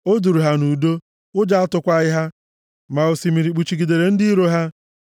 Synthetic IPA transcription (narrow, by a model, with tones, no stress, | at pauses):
o˦du˨ɾu˨ɦa˦nu˨do˦ | ʊ˦d͡ʒa˦a˦tʊ˦kʷa˦ɣɪ˦ɦa˦ | ma˨o˨si˨mi˨ɾi˨k͡pu˨t͡ʃi˨ɡi˨de˨ɾe˨n̩˦dɪ˦i˦ɾo˦ɦa˦